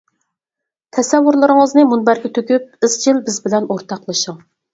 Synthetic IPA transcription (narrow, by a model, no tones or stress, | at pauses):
t̪ʰɛsɛvːuɾlˠɨɾɨŋəznɨmunbæɾɡʲɛt̪ʰøkʲyp̚ɨz̥d͡ʒilbɪzbɪlɛnoɾt̪ʰɑqlˠɨʃuŋ